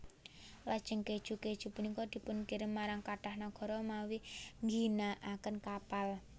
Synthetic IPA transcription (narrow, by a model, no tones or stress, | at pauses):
lad̥ʒ̥əŋked̥ʒ̥ṳked̥ʒ̥ṳpunikɔd̪̥i̤pʊnkiɾɪmːaɾaŋkaʈahnaɡ̥ɔ̤ɾɔmawiŋɡinaʔakənkapal